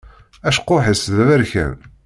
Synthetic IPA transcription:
æʃqːoħəsðæðæɾçæ̰n

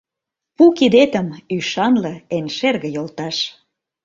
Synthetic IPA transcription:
pukid̪et̪əmyʃɑnlə̆enʲʃerɣə̆jolt̪ɑʃ

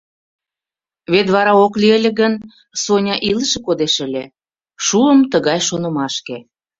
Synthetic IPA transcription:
βet̪βɑɾɑoklielʲĕɣən | sonʲɑʔilə̆ʃĕkod̪eʃə̆lʲe | ʃuəmt̪əɣɑjʃonə̆mɑʃke

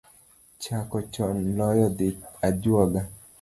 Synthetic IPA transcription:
t͡ʃakɔt͡ʃɔnlɔjɔd̪ɪtad͡ʒwɔɡa

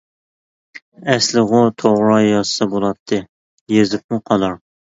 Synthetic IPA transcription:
ɛslɨʁʊt̪ʰoʁɾɑjɑssɑbolˠɑp̚t̪ʰːɨ | jezɪp̚muqʰɑlˠɑɾ

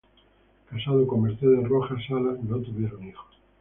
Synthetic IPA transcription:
kasaðokommeɾθeðeroxasalalot̪uβjeɾonixo̥

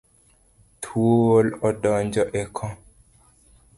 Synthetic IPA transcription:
tʰuoolɔdɔɲd͡ʒɔʔɛkʰɔ

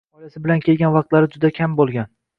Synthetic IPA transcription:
ɒjasɪbɪlankʲʰe̞lɡʲanvɑqt̪laɾɪd͡ʒʊd̪akʲʰambolˠɡʲan

